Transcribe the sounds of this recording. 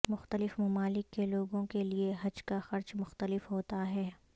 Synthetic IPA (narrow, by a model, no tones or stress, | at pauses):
mʊxt̪əlɪfmɐmaːlɪkːeloːɡõkelieɦɐd͡ʒkaxɐɾt͡ʃmʊxt̪əlɪfɦoːt̪aɦɛː